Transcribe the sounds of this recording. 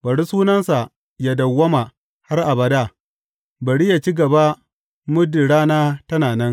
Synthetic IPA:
b̥ɐ˨ɽi˦suː˦nɐ˦nsa˨ | ja˨dɐ˨wːɐ˦ma˨ | ha˦rʔa˨bɐ˨da˦˨ | bɐ˨ɽi˦ja˨t͡ʃi˦ɡɐ˨ba˦ | mʊ˦di˨ɽaː˦naː˦tɐ˦naː˨nɛ˦n

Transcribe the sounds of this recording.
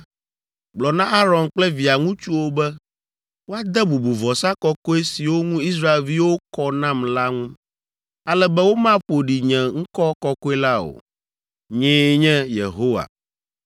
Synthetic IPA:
ɡ͡blɔ˨nã˦ʔa˦ɾɔ̃˨nk͡plɛ˦vi˨a˨ŋũ˦t͡ʃu˦wo˦bɛ˦ | wo˦a˦d̪ɛ˦bu˨bu˨vɔ˨sa˦kɔ˦ko˦e˦si˨wo˦ŋũ˦i˦s̬ɾa˦e˨lvi˦wo˦kɔ˦nã˦˨mla˦ŋũ˦ | a˦lɛ˦bɛ˦wo˦mã˦ɸo˨ɖi˨ɲɛ̃˨ŋ̩̃˦kɔ˦kɔ˦ko˦e˦la˦o̰˨ | ɲẽ˦ɲɛ̃˦jḛ˨ɦo˦wa̰˨

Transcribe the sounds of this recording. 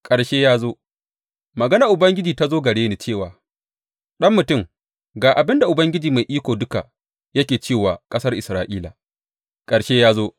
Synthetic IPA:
kʼɐ˨ɽʃeː˦jaː˦zoː˦ | mɐ˨ɡɐ˦na˨ʔʊ˨bɐ˦ŋɡʲɪ˦d͡ʒiː˨ta˦zoː˦ɡɐ˨ɽeː˦neː˨t͡ʃeː˦˨waː˨ | ɗɐ˦mːʊ˨tʊ˦˨m | ɡaː˨ʔa˨bɪ˦nda˨ʔʊ˨bɐ˦ŋɡʲɪ˦d͡ʒiː˨ma˨jʔiː˦kʷoː˨dʊ˦ka̰˨ | jɐ˦kʲeː˨t͡ʃeː˦˨waː˨kʼɐ˦sɐ˦rʔɪ˨sɾaː˨ʔiː˦la̰˨ | kʼɐ˨ɽʃeː˦jaː˦zoː˦

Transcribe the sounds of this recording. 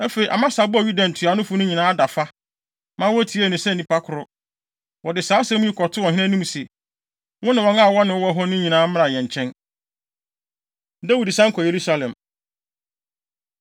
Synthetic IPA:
æ˦fe˨i˨ʔa̰˨mã˦sa˨bʊ˦a˨ɥu˦dã˨n̩˨tʰɪ˨a˨nʊ̃˦fʊ˨˦nʊ̃˦ɲĩ˨nãː˦da˨fa˦ | mã˦wɔ˦tʰi˨˦e˦˨nʊ̃˨sɛ˦˨ĩ˨pʰa˦kʰʊ˨ɾʊ˦ | wɔ˨dɪ˨saː˨˦sɛ̃˦mũ˦ji˦kʰɔ˨tʰʊ˦wɔ˨ɦɪ̃˦ɛ̃˦nĩ˦m˨sɛ˨ | wʊ̃˦nɪ̃˨wɔ̃˨˦ŋã˦˨wɔ˦nɪ̃˨wwɔ˦ɦɔ˦nʊ̃˦ɲĩ˨nãː˨˦mɪ̃˦ɾa˨jɛ̃˨ɲ˨t͡ɕʰɛ̃˦n | dæ˦wu˨dsã˦ŋ̩˦kʰɔ˨je˨ɾu˦sa˦lɛ̃˨m

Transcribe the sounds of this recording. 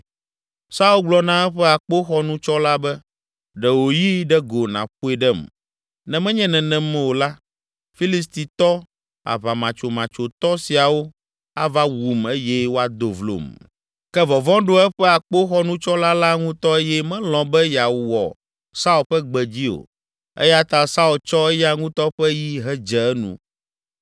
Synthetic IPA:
sa˦u˦lɡ͡blɔ˨˦nã˦ɛ˦ɸɛ˦a˨k͡po˦xɔ˦nũ˦t͡ʃɔ˦la˦bɛ˦ | ɖɛ˨wo˨ji˦ɖɛ˦ɡo˨nã̰˨ɸu˦ɛ˦ɖɛ˦˨m | nɛ̃˨mɛ̃˦ɲɛ̃˦nɛ̃˨nɛ̃˨mɛ̃˦wo˨la˦ | fi˦li˨s̬t̪i˨t̪ɔ˦ | a̰˨βa˨mã˨t͡ʃo˨mã˨t͡ʃo˨t̪ɔ˦si˨a˨wo˦ | a˦va˦wu˨me˦jɛ˦wo˦a˨d̪o˨vlo̰˨m | kɛ˦vɔ˨vɔ̃˦ɖo˦ɛ˦ɸɛ˦a˨k͡po˦xɔ˦nũ˦t͡ʃɔ˦la˦la˦ŋũ˦t̪ɔ˦e˦jɛ˦mɛ̃˦lɔ̃˨bɛ˦ja˨wwɔ̰˨ | sa˦u˨ɸɛ˦ɡ͡bɛ˨d͡ʑi˦o̰˨ | ḛ˦ja˦t̪a˨sa˦u˨lt͡ʃɔ˦ɛ˦jɛ˦a˦ŋũ˦t̪ɔ˦ɸɛ˦ji˦ɦɛ˦d͡ʒɛ˨ɛ˦nṵ̃˦˨

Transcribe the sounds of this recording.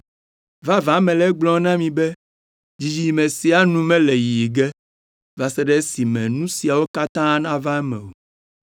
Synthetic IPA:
va˦vã˨˦mɛ̃˨lɛ˦ɡ͡blɔ̃˦nã˦mĩ˨bɛ˦ | d͡ʑi˨d͡ʑi˦˨mẽ˨si˦a˦nũ˦mɛ̃˦le˨ji˨ɡɛ˦ | va˨sɛ˦ɖɛ˦si˨mɛ̰̃˨nũ˦si˨a˨wo˦ka˦t̪ã˦nã˦va˦ɛ˦mɛ̰̃˨wo˨

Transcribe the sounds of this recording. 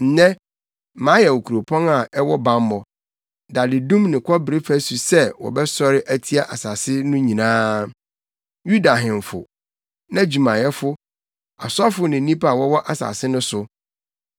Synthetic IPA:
n̩˨˦nɛ̃˦ | mãː˨˦jɛ˨wo˨kʰu˨ɾo˨pʰɔ̃˦na˨ɛ˦wɔ˦bã˨mː˦ɔ˨ | da˨dɪ˨dũ˦mnɪ̃˨kʰʷɔ˦bɪ˨ɾe˦fæ˦su˨sɛ˦wɔ̰˨bɛ˦sɔ˦ɾɪ˦ʔæ˦tʰi˦a˦ʔa˨sa˨sɪ˦nʊ̃˦ɲĩ˨nãː˦ | ju˦da˨ɦɪ̃˨ɱ˨fʊ̰˨ | nã˦d͡ʑu˨mã˨jɛ˦fʊ˦ | a̰˨sʊ˦a˦fʊ˦nɪ̃˨˦nĩ˦pa˨wɔ˦wɔ˦ʔa˨sa̰˨sɪ˦nʊ̃˦sʊ˨

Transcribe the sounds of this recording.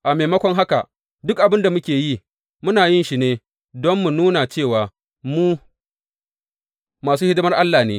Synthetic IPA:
ʔa˨meː˨mɐ˦kʷɔ˦ŋɦa˦ka̰˨ | dʊ˦k̚ʔa˨bɪ˦nda˨mʊ˦kʲeː˨ji˦ | mʊ˦naː˨jɪ˦nʃi˦neː˦ | dɔ˦mːu˨nuː˦na˨t͡ʃeː˦˨waː˨ | muː˦ | maː˨suː˦hɪ˦dʊ˦mɐ˦rʔa˦lːaː˨nḛː˦

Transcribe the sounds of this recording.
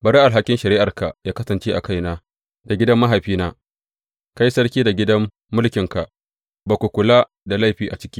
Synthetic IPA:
bɐ˨ɽa˦ʔa˨lɦa˦kʲɪ˦nʃɐ˨ɾiː˦ʔa˨rka˨jaː˦kɐ˦sɐ˨nt͡ʃeː˦ʔa̰˨ka˦jnaː˦ | da˨ɡʲɪ˦dɐ˦mːɐ˦ɦa˨jɸiː˦naː˦ | ka˦jsɐ˦rkʲiː˦da˨ɡʲɪ˦dɐ˦mː | ʊ˦lkʲɪ˨ŋka˨ | ba˨kʷu˨kʷʊ˨laː˦ | da˨la˦˨jɸiː˨ʔa˨t͡ʃɪ̥˦kʲiː˦

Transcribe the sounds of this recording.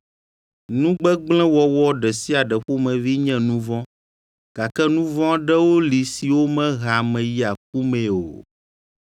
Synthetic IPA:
nũ˦ɡ͡bɛ˦ɡ͡blɛ̃˦wɔ˦wɔ˦ɖɛ˨si˦a˨ɖɛ˨ɸo˦mɛ̃˨vi˦ɲɛ̃˦nũ˦vɔ̃˦ | ɡ̥a˨kɛ˦nũ˦vɔ̃˦ɖɛ˦wo˦li˨si˨wo˦mɛ̃˦ɣa˨mɛ̃˨ji˦a˨k̚u˦mɛ̃˨o̰˨

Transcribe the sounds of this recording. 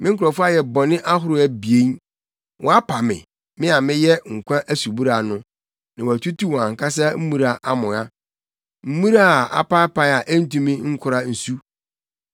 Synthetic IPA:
mʔɪ̃˦ŋ̩˦kʰʊ˨ɾɔ˨fʊ˦a˦jɛ˨bɔ˨nɪ̃˦ʔa˦ɦʊ˦ɾʊ˦æ˨bi˨e˦n | wʔɔ̃˨a˦pʰa˨mɪ̰̃˨ | mɪ̃˦a˨mɪ̃˦jɛ˦ŋ̩˨kʷʰã˦ʔæ˦su˨bu˦ɾa˨nʊ̃˦ | nã˨wæ˨tʰu˦tʰu˦wɔ̃˨ã˨ŋ̩˨kʰa˦s̬a˦m̩˦mũ˦ɾa˨ʔa˨mʊ̃˨ã˦ | m̩˦mũ˦ɾa˦˨a̰˨pa˦pa˦a˨ʔn̩˦tũ˦mĩ˦ŋ̩˦kʰʊ˨ɾa˦n̩˨su˦

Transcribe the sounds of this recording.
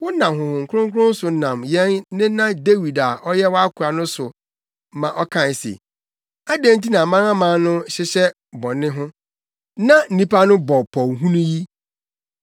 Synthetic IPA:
wʊ˦nã˨ɦʊ̃˨hʊ̃˨ŋ̩˨kʰʊ˦ɾʊ̃˦ŋ˦kʰʊ˦ɾʊ̃˦n˦sʊ˨n̩˦nã˨mjɛ̃˦nːɪ̃˦nã˦de˦wi˨da˨ɔ˦jɛ˦wa˦kʰʊ˨ɾa˨nʊ̃˦sʊ˨ | mã˨ʔɔ˦kʰã˦˨n˨sḛ˨ | a˦dẽ˦n̩˦ti˦nã˨mã˦ŋã˦mãː˨˦nʊ̃˦ɕɪ˦ɕɛ˦ | bɔ̃˨nɪ̃˦ɦʊ̃˦ | nã˦n̩˨nĩ˦pa˦nʊ̃˦bɔ˨pʰɔ˨wɦũ˦nũ˦ji˦

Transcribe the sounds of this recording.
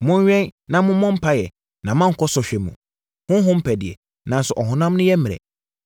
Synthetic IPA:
mʊ̃˦ɲ˦ɥᶣɛ̃˦nnã˨mʊ̃˦mɔ̃˦m̩˦pʰa˦jɛ˨ | nã˨mã˦ŋ̩˨kʰɔ˦sɔ˨ɕᶣɛ˨mṵ̃˨ | hʊ̃˦n˦ɦʊ̃˦m̩˦pʰɛ˨dɪ˨ɛ˨ | nã˨nsʊ˨ʔɔ˨ɦʊ̃˨nã˦m˦nʊ̃˦jɛ˦mɪ̃˨ɛ̰˨

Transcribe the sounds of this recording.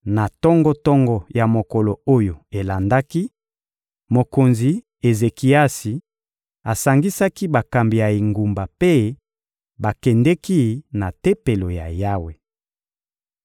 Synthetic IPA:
na˨tɔ˦ŋɡɔ˦tɔ˦ŋɡɔ˨ja˨mo˨kɔ˨lo˨o˦jo˨e˨la˨nda˦ki˦ | mo˨ko˨nzi˨ | e˨ze˨ki˨a˦si˨ | a˨sa˨ŋɡi˦sa˦ki˦ba˨ka˨mbi˨ja˨i˨ŋɡu˨mba˨pe˦ | ba˨kɛ˨ndɛ˦ki˦na˨te˦pe˨lo˨ja̰˨ja˦we˨

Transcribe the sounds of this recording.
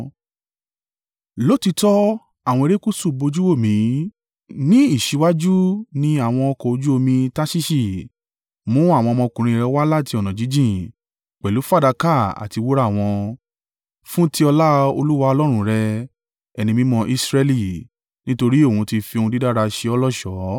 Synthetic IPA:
lo˦ti˧tɔ˦ | a˦˨w̃ɔ̃˧e˧ɾe˦ku˦˨su˦˨bo˧d͡ʒu˦wo˦˨mĩ˨˦ | nĩ˦i˦˨ʃi˨˧˦wa˦d͡ʒu˦nĩ˧a˦˨w̃ɔ̃˧ɔ˧kɔ˨o˧d͡ʒu˦o˧mĩ˧ta˦ʃi˦ʃi˦˨ | mũ˨˦a˦˨w̃ɔ̃˧mɔ̃˧kũ˨ɾ̃ĩ˧ɾɛ˧wa˦la˦˨ti˧ɔ˨nã˨d͡ʒi˨˦d͡ʒĩ˦˨ | k͡pɛ˨lu˨˦fa˦da˧ka˦˨a̰˨ti˧wo˦ɾa˦˨w̃ɔ̃˧ | fũ˦ti˦ɔ˧la˦o˧lu˦wa˧ɔ˧lɔ˦ɾ̃ũ˧ɾɛ˧ | ɛ˨nĩ˧mĩ˧˦mɔ̃˧ʔi˧sɾɛ˧li˦˨ | nĩ˦to˧ɾi˦o˦˨ũ˨˧ti˧fi˧o˧ũ˧di˦da˦ɾa˧ʃe˧ɔ˧lɔ˦˨ʃɔ˨˦

